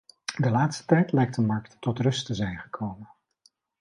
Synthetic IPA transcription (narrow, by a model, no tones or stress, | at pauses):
dəlaːtstə̥tɛjtlɛjk̚təmɑɹktːɔtrɵstəzɛjnχəkʰowmən